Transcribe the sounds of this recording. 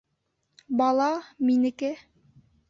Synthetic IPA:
bɑlˠɑminɘ̆kɘ

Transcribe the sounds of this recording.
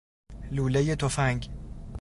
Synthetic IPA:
luːlejet̪ʰofæŋɡ

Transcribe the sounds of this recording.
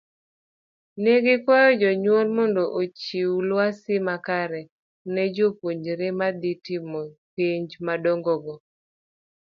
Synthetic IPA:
neɡɪkɔjɔd͡ʒɔɲwɔlmɔndɔʔot͡ʃiwulwasɪmakaɾɛ | nɛd͡ʒopwoɲd͡ʒɾemad̪itimɔpiɲd͡ʒmadɔŋɡɔɡɔ

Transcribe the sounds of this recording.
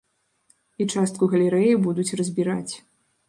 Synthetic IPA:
it͡ʂast̪̚kuɣɐlʲɛɾɛjibud̪ut͡sʲrɐzʲbʲiɾa̰t͡sʲ

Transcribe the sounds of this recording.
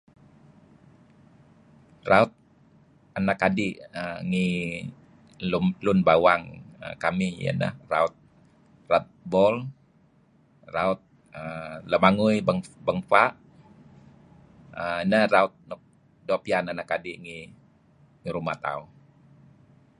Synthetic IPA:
raut̪̚ | anakadiəŋi | lumlʊnbawaŋə̰kamijə̰nə̰hra̰ʊt̪̚ | rat̪̚bɔl | raʊt̪̚ | ələmaŋujbəŋbəŋfaʔ | ənəhraʊt̪̚nɔk̚ | dopiananakadiŋi | ŋiɾumat̪a̰u

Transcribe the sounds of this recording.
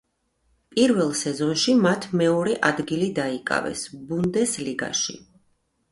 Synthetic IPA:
pʼiɾvɛlˠsɛzɔnʃimat̪ʰmɛɔɾɛʔad̪ɡilid̪aikʼa̰vɛ̰sbund̪ɛsliɡa̰ʃḭ

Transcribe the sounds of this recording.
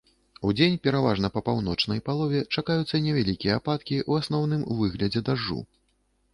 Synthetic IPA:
ud͡zʲenʲpʲɛɾavaʐnɐpɐpawn̪ɔt͡ʂnɐjpalˠɔvʲɛt͡ʂakajut̪sːɐnʲɛvʲalʲikʲijɛapat̪kʲiʔuasnɔwnɨmvɨɣlʲɐd͡zʲɛd̪aʐːṵ

